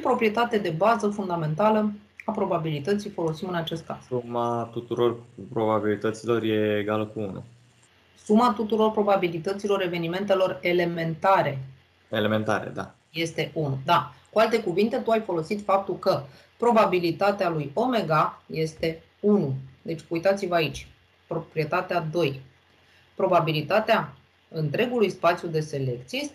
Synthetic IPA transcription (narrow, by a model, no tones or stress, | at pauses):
pɾo̞pɾije̞t̪at̪ed̪e̞bazəfund̪ame̞nt̪alə | apɾo̞babilit̪ət̪sijfo̞lo̞simɨnat͡ʃe̞st̪̚kaz̥umat̪ut̪uɾo̞rpɾo̞babilit̪ət̪silo̞rje̞ːɡaləkuunṵ | sumat̪ut̪uɾo̞rpɾo̞babilit̪ət̪silo̞ɾeve̞nime̞nt̪e̞lo̞re̞le̞me̞nt̪aɾe̞ | elemẽ̞nt̪a̰ɾḛd̪a̰ | je̞st̪e̞ʔunud̪akualt̪e̞kuvint̪e̞t̪uajfo̞lo̞sit̪fap̚t̪ulkə | pɾo̞babilit̪at̪ealujo̞me̞ɡaje̞st̪e̞ | unud̪e̞t͡ʃʲkujt̪at̪sivəait͡ʃʲ | pɾo̞pɾie̞t̪at̪ead̪o̞j | pɾo̞babilit̪at̪ea | ɨnt̪ɾe̞ɡulujspat̪sijud̪e̞se̞le̞kt̪sijest̪e